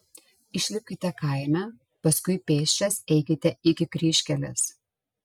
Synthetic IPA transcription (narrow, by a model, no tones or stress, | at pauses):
ɪʃʲlʲɪp̚ʲkʲɪt̪ʲɛkɐˑɪmʲæ | pɐskʊɪpʲeːʃʲt͡ʃʲɛsɛɪkʲɪt̪ʲɛɪkʲɪkɾʲiːʃʲkʲɛlʲɪ̰s